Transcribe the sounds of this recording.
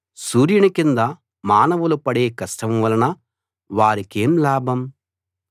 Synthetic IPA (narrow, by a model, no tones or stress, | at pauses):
suːɾjɐɳikind̪ɐ | maːnɐʋulupɐɽe̞ːkɐsʈɐmʋɐlɐnɐ | ʋaːɾike̞ːmlaːbʱɐm